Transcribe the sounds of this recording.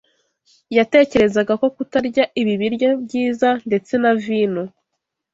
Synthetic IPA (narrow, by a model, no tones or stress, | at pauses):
jate̞ːce̞ɾe̞zaɡako̞kutaɾɟaʔiβiβiɾjabɟiːzande̞t͡se̞naviːnu